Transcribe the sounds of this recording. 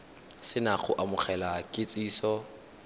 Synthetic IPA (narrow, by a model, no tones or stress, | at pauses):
sɪnak͡xʰʊʔamʊχʰɛlakʼɪt͡sʼiːsɔ